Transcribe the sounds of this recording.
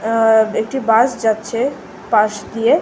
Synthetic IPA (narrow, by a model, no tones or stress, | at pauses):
ek̚ʈibasd͡ʒat̪t͡ʃʰe | paʃd̪ie